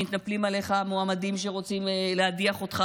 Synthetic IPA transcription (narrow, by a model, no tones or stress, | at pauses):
mit̪naplimaleχamoamadimʃ̬e̞ʁo̞t͡simelehadiaχo̞t̪χa